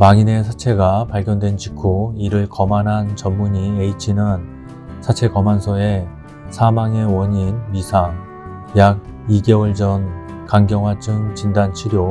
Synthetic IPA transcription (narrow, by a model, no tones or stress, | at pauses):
maŋine̞sʰat͡ɕʰe̞ɡapaɭɡjʌndwe̞nt͡ɕikʰoiɾɯɭkʌmanɦant͡ɕʌmːuɲieit͡ɕʰinɯn | sʰat͡ɕʰe̞kʌmansʰʌe̞ | sʰamaŋe̞wʌɲinmisʰaŋ | jaɡ̚ | iɡe̞wʌɭd͡ʑʌn | kaŋɡjʌŋwat͡ɕʰɯŋt͡ɕindant͡ɕʰiɾjo